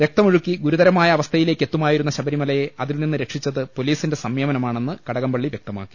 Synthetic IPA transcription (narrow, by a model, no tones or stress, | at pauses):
ʋjek̚t̪ɐmuɻukːiɡuɾuðɐɾɐmaːjɐːʋɐst̪ʰɐjile̞ːkːe̞t̪ːumaːjiɾunːɐɕɐbɐɾimɐlɐjeʔɐðilninːɨɾe̞kʂit͡ɕːɐðɨpo̞liːsinde̞sɐmjeːmɐnɐmaːɳe̞nːɨkɐɽɐɣɐmbɐɭːiʋjek̚t̪ɐma̰ːkːi̥